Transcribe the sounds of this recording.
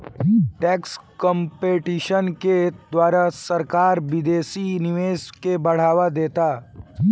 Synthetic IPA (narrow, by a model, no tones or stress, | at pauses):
ʈɛːkskɔ̃mpeːʈiːʃənked̪waːɾasɐɾkaːɾʋɪd̪eːsinɪʋeːʃkebɐɽ̤aːʋad̪eːt̪aː